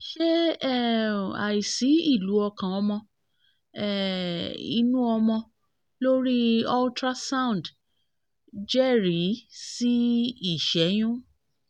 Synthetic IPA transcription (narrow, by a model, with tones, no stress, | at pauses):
ʃe˦ɛ˦˨a̰˨i˨si˨˦i˦˨lu˨˦ɔ˧kã˨ɔ˧mɔ̃˧ | ɛ˦˨ | ḭ˧˦nũ˦ɔ˧mɔ̃˧ | lo˦ɾi˦ɔ˦ltɾa˦sã˦ũ˨n˨d | d͡ʒɛ˦ɾi˨˦si˦i˦˨ʃɛ˨˦j̃ũ˦